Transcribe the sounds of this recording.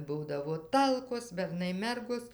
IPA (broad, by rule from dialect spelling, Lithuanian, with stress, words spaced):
ˈbuːdɐʋoː ˈtɐlˠkoːs bʲɛrˈnɐɪ ˈmʲɛrɡoːs